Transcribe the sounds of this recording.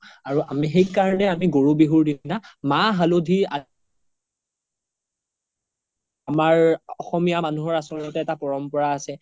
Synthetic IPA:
aɹuʔamixejkaɹɔnɛamiɡoɹubiɦuɹdinamaɦalodʱia | amaɹɔxɔmijamanuɦɔɹasɔɔtɛːtapɔɹɔmpɔɹaːsɛ

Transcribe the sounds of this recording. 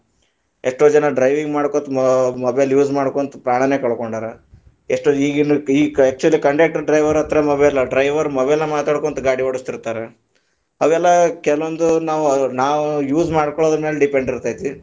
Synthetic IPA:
eʂʈoːd͡ʒɐnɐɖɾɐjʋiŋɡmaːɽkot̪umɐbelːjuːd͡ʒmaːɽkoːnt̪u̥pɾaːɳɐneːkɐɭkoɳɖaːɾe | eʂʈoiːɡinuiːæːk̚t͡ʃuɐlːikɐɳɖeːk̚ʈɐɾɖɾɐjʋɐɾɐt̪ɾemɐbelːɐɖɾɐjʋɐɾmɐʋeɛlːɐmaːt̪aːɽkoːnt̪uɡaːɽiʋɐɽust̪iɾt̪aːɾe | ɐʋɛlːɐkɛlɐʋond̪unaːʋunaːʋujuːzmaːɽkoɭoːd̪meːleɖipe̞ɳɖiɾt̪aːjt̪iʋi

